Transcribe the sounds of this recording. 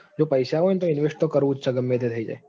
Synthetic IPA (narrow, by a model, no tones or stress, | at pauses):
d͡ʒopəjʃaɦont̪oɪnʋeʂʈt̪okəɾʋũt͡ʃʰaɡəmjet̪ʰet̪ʰəid͡ʒa̰e